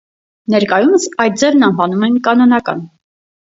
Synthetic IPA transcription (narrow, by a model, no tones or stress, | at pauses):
nɛɾkɑjuməsɑjt̪̚d͡zɛvnɑnvɑnumɛnkɑnɔnɑkɑ̰n